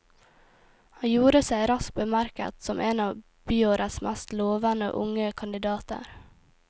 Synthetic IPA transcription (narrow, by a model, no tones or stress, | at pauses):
hɑnjuːɾəsæɪɾɑsk̚bəmæɾkə̰t̪sɔmʔeːnɑː | b̥yːoːɾʔəsmæst̪loːʋənə̰ʔʊ̰ŋəkʰɑnd̪ɪd̪ɑːt̪ə̰ɾ